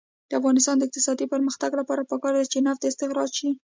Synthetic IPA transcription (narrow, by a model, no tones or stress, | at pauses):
d̪̥əafɣɑnɪs̬t̪ɑnd̪əɪq̚t̪ɪsɑd̪ipəɾməxt̪aɡlapɑɾapəkɑɾd̪at͡ʃenaft̪ɪst̪ɪxɾɑɾʃi